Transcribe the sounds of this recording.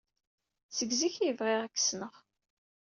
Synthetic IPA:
səɡziçiəvʁɪʁækːə̥snəʁ

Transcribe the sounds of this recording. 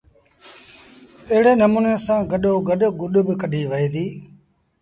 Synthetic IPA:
əɦɽeːnəmuːnẽːsãːɡəɗoːɡəɗɡʊɗbkəɖʱiːʋəiːd̪iː

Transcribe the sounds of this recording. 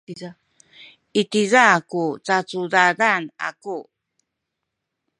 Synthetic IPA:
it̪izakut͡sat͡sudadana̰ku

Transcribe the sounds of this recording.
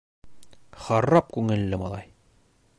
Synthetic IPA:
χɑɾːɑp̚kʉŋɘ̆lːɘmɑlˠɑj

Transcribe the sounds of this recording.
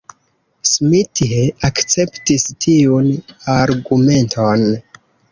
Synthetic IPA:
smitieakt͡se̞ptistʰiunaɾɡume̞ntʰon

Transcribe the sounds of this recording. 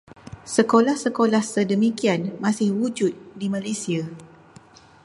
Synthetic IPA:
səkolahsəkolahsədəmĩkianmãsɪhwud͡ʒʊt̪̚dimãlesia

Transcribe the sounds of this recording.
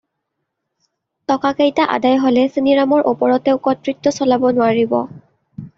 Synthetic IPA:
tɔkakejtaʔa̰dajɦolɛsiniɹamɔɹʔupɔɹɔtɛʊkɔtɹitːɔsɔlabɔnʊaɹibɔ̰

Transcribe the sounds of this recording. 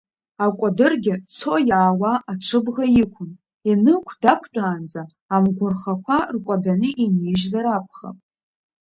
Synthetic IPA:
akʷʼadɨrɡʲɪt͡sʰo̞jaːwaʔaʈ͡ʂʰɨbʁajɪkʷʰʊn | inɨkʷʰdakʷʰt͡pʼaːnd͡zaː | mɡʷʊrχakʷʰarkʷʼadanɨʔineʒzaɾapʷʰχa̰pʼ

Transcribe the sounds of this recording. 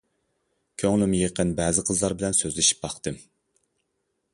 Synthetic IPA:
kʲʰøŋlɪmjeqənbɛːzɪqʰəzlˠɑɾbɪlɛnsøzlɪʃi̥p̚bɑχt̪ɨm

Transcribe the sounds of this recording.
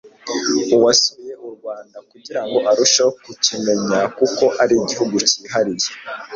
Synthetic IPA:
uwasuijeʔuɾɡwaːndakuɟiɾaŋɡo̞ʔaɾuʃakucime̞ɲakuko̞ʔaɾiɟihuɡuciːɦaɾiɾje

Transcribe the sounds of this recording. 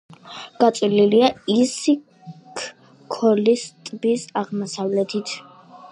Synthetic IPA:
ɡ̥at̪sʼililiaisi | kʰ | kʰɔlist̪ʼbisaʁmɔsavlɛt̪ʰit̪ʰ

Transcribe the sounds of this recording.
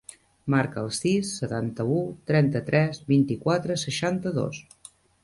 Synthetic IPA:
maɾkəːlˠsisːət̪ant̪əut̪ɾɛnt̪ət̪ɾʔɛzβint̪ikwat̪ɾəsəʃant̪əðo̰s

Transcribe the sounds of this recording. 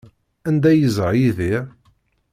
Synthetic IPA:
ænd̪æjəzəʁjiði

